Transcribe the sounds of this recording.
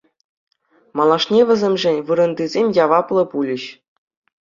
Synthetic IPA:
mɑlˠɑʂnʲeʋʲɘ̆zʲemʲʐɘ̆nʲʋɯɾɤ̆nd̪ʲizʲemʲjɑʋɑplˠɤ̆pulʲɘ̆ɕ

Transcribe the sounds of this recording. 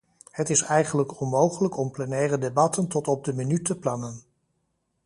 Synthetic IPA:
hətɪsɛjχənləkɔnmowχələkɔmplɛnɛːrədebɑtəntɔtɔb̚dəminytəplɑnən

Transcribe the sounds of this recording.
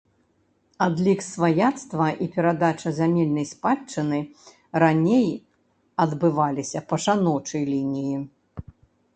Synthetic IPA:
ad̪lʲiksvajat̪st̪vɐʔipʲɛɾad̪at͡ʂɐzamʲɛlʲnɐjspat͡ʂːɨnɨ | ɾanʲej | ɐd̪bɨvalʲisʲɐpɐʂanɔt͡ʂɐjlʲinʲiji

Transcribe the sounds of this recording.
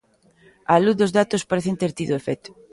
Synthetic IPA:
aluθðozðat̪ospaɾeθent̪eɾt̪iðoefɛt̪ʊ̥

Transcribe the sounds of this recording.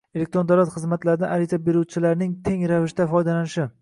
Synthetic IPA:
elek̚t̪ɾond̪awlat̪χɨzmat̪laɾɪd̪aʔaɾit̪abe̞ɾuwt͡ʃʰɪlaɾnɪŋt̪ʰe̞ŋɾavɪʃt̪afɒjd̪alanɪʃɪ

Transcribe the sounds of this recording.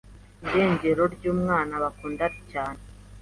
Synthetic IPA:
ndeːɲɟeɾoɾɟuːmŋaːnaβakuːndaɾicaːne

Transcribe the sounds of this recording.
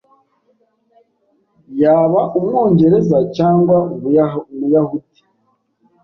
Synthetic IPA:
jaːβaʔumŋo̞ːɲɟe̞ɾe̞zacaːŋɡwauβujamujahuti̥

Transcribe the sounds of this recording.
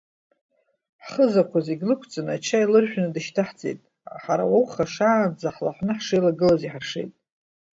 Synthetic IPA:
ħχəzakʷʰaziɡʲlɨkʷʰt͡sʼɨnat͡ʃʰailɨrħʷᶣnɨdɨʃtʰaħt͡sʼḛjtʼ | aħaɾa̰wawχaʂaːnd͡zaħla̰ħʷnɨħʂejlaɡɨlaziħarʂe̞̰jtʼ

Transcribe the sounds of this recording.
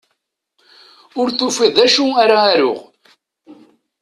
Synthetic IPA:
ʊɾθufiðˤæʃuæɾaːɾʊ̰ʁ

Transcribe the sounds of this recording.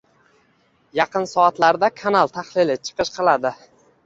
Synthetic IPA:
jɑqɨnsɒat̪laɾd̪akʰanalˠt̪ʰaχlɪlɪt͡ʃʰɨ̥qɨʃqʰɨlˠad̪ɪ

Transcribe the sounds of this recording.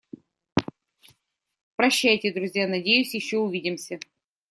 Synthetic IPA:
pɾɐɕːæjtʲɪd̪ɾʊzʲjanɐdʲejʉsʲjɪɕːoʊvʲidʲɪmsʲə

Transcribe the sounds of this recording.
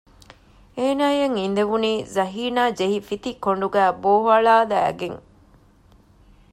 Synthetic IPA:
eːnaːjeŋind̪eʋuniːzɐɦiːnaːd͡ʒeɦifit̪ikoɳɖuɡæːboːɦɐɭaːd̪æ̰ːɡeŋ

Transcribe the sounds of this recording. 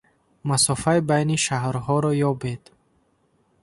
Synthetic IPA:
masɔfaibajniʃaɦɾhɔɾɔjɔbed̪

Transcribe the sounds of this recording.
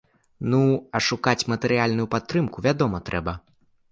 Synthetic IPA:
nuɐʂukat͡sʲmɐt̪ɛɾɨjalʲnujupat̪ːɾɨmkuvʲad̪ɔmɐt̪ɾɛbɐ

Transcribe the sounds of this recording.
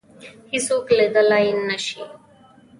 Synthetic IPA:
hisoːkled̪əlainːɐʃi

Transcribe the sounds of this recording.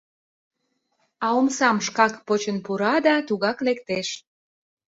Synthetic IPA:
ɑomsɑmʃkɑkpot͡ɕənpuɾɑd̪ɑt̪uɣɑklekt̪eʃ

